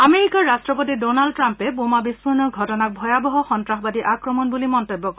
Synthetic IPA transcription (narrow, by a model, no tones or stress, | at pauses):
ameɹikɔɹːastɹɔpotidonald̚tɹampɛbomabispuɹnɔɡʱɔtɔnak̚bʱɔjabɔɦɔxɔntɹaxbadiʔakɹɔmɔnbulimɔntobːɔk